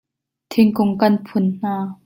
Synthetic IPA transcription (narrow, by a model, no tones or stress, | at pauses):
t̪ʰɪŋkʊŋkɐnpʰʊnn̥aː